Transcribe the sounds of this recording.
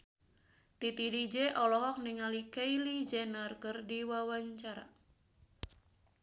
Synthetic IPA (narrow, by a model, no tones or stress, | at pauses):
t̪it̪idid͡ʒɛʔɔlɔɦɔk̚niŋalikailid͡ʒɛnarkɨrdiwawaɲt͡ʃaɾa̰